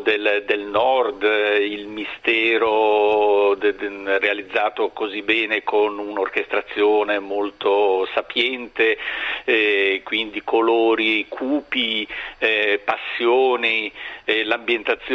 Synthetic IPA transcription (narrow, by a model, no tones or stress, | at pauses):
d̪eld̪elnɔrd̪ilmist̪ɛːɾo | realid̪zːaːt̪okozibɛːnekʰonunorkest̪ɾat̪sːjoːnemolt̪osapjɛnt̪e | kwind̪ikʰoloːɾikʰuːpi | pasːjoːnilambjent̪at̪sːj